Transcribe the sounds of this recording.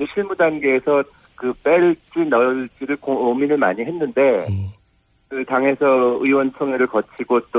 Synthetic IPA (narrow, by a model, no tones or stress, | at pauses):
d͡ʑeɕʰiɭmudanɡe̞ːsʰʌ | kɯp͈eɭt͡ɕ͈inʌɭt͡ɕ͈iɾɯɭkoominɯɭmaɲiɦe̞nːɯnde̞ | kɯtaŋɦe̞sʰʌɯiwʌnt͡ɕʰoŋeɾɯɭkʌt͡ɕʰiɡot͈o